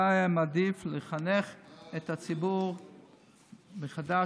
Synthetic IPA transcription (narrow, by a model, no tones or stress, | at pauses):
aamad̪ifleχaneχet̪at͡sibuʁ | beχada